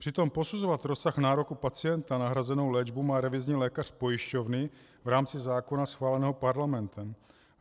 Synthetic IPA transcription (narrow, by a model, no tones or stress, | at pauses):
pr̥ɪt̪o̞mposuzovat̪ɾosːaxnaːɾokupat͡sɪjɛnt̪anaɦɾazɛnowlɛd͡ʒbumaːɾɛvɪzɲiːlɛːkar̝̥po̞jɪʃco̞vnɪ | vɾaːmt͡sɪzaːkonasxvaːlɛnɛːɦopaɾlamɛnt̪ɛm